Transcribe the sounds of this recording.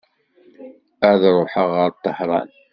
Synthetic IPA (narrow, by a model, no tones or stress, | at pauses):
əɾðɾˤʊħəʁəɾˤt̪ˤːəhɾˤɑ̰n